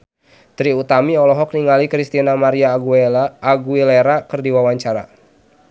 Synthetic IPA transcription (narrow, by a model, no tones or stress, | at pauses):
t̪ɾiut̪amiɔlɔɦɔk̚niŋalikɾist̪inamaɾia | aɡuileɾakərdiwawaɲt͡ʃaɾa̰